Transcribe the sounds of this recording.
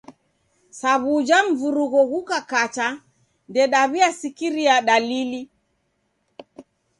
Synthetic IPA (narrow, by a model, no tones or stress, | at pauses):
saβud͡ʒam̩vuɾuɣɔɣukakat͡ʃa | ndɛɗaβiasikiɾiaɗalili